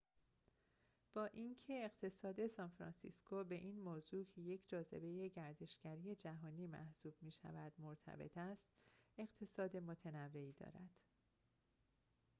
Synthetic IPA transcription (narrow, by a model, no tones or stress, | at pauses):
b̥ɒːʔiːncʰe̞ːɢt̪ʰe̞sɒːd̪e̞sɒːnfɾɒ̰nsḭskʰobe̞ʔiːnmoːzuːcʰe̞je̞cʰd͡ʒɒːze̞̰be̞je̞ɟæɾd̪e̞ʃɡæɾije̞d͡ʒæɦɒːniːmæ̰hsuːb̥miːʃæ̰væd̪̥moɾt̪ʰæ̰be̞̰t̪ʰæst̪e̞ɣt̪ʰe̞sɒːd̪e̞mot̪ʰenævːe̞iːd̪ɒ̰ːɾæ̰d̪̥